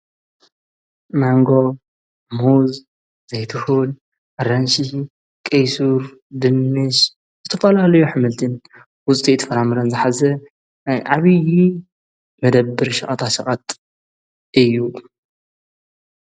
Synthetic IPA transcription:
maŋɡo | muz | z̥ejt̪ʰɨhul | ɾɐnʃi | kʼɐjsuɾ | d̪ɨnːɨʃ | zɨt̪ʰɐfɐlalɐjuħɨmɨlt̪ʰɨn | wʊt͡sʼt̪ʼit̪ʰfɐɾamɨɾɐnzɨħazɐ | ʕaβɨji | mɐd̪ɐbːɨɾʃɐχʼɐt̪ʰaʃɐχʼɐt̪ | ɨjːu

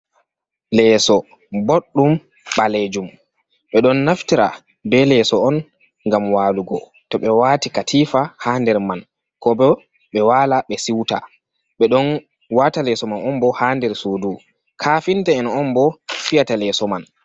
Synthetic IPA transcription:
lɛːsɔ | boɗːum | ɓaled͡ʒum | ɓɛɗɔnːaftiɾa | bɛlɛsɔɔn | ŋɡamwaːluɡɔ | tɔɓɛwaːtikatʰiːfahaːndɛɾman | kɔbɔ | ɓɛwaːlaɓɛsiwta̰ | ɓɛɗɔn | watalɛsɔmanɔmbɔhaːndɛɾsoːdu | kʰaːfintɛɛnɔmbɔfijatalɛːsɔman

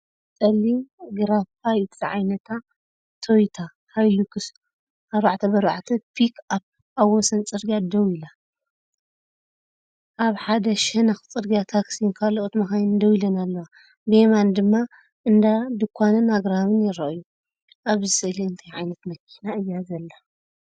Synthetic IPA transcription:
sʼɐliɡɨɾafajt̪ʰʕa̰jnɐt̪ʰa | t̪ʰojt̪ʰa | hajlukʰɨs | ʔaɾβaʕt̪ʰɐbɐɾβa̰ʕt̪ʰɐpʰikʰap̚ | ʔawːɔsɐnt͡sʼɨɾɡad̪ɐwila | ʔaβħad̪ɐʃɛnaxt͡sʼɨɾɡijat̪ʰaksinkʰaloʔot̪mɐxajnd̪ɐwilɐnalːɐwa | bemand̪ɨmːa | ʔɨnd̪ad̪ɨkʰʷːanɨnaɡɾaβɨnjɪɾɐʔɨju | ʔaβzɨsɨɨliɨnt̪ʰajʕajnɐt̪mɐkʰːinaʔɨjːazɐlːa

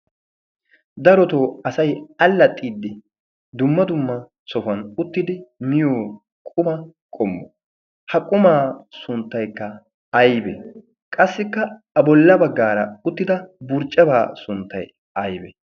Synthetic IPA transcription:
d̪ɐɾɔt̪o̞ːɐsɐjɐlːɐt̪ʼːiːd̪ːɪ | d̪ʊmːɐd̪ʊmːɐ | sɔfɐnʊt̪ːɪd̪ɪmɪjoː | kʼʊmɐkʼɔmːɔ̰ | hɐkʼʊmaːsʊnt̪ːɐjkːɐ | ɐjbḛ | kʼɐsːɪkːɐ | bɔlːɐbɐɡːaːɾɐ̰ʊt̪ːɪd̪ɐbʊɾt͡ʃʼːɐba̰ːsʊnt̪ːɐj | ɐjbɛ

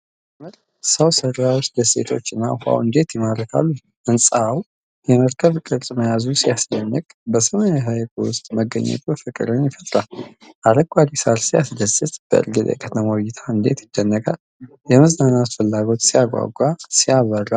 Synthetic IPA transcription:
məɾ | səwsərawot͡ʃd̪əsḛt̪ʰo̞̰t͡ʃːɨnːa̰ha̰wɨnd̪e̞t̪jɛmaɾəkʰa̰lːu | ʔɨnsʼaw | jɛməɾkʰəβkʼɨɾt̪ʼməjazusijasd̪ənːəkʼbəsəmanaɦajkwʊst̪ʼməɡːə̰ɲːɛ̰t̪ʰufɨkʼɨ̰ɾəɲjɪfət̪ʼɾal | ʔaɾəɡʷʼad̪isaɾsijasd̪əsːət̪b̥ə̰ɨ̰ɾɡəd̪ə̰kʼʰət̪ʰəmawjɪt̪ʰaɨnd̪e̞t̪jɪd̪ːənːəɡʼal | jɛmɨznanat̪fɨlːaɡo̞t̪siaɡʷa̰ɡʷːasijaβərːa

